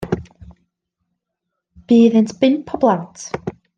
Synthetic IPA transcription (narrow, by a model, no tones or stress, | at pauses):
b̥iːðɪntbɪnpʰɔblˠat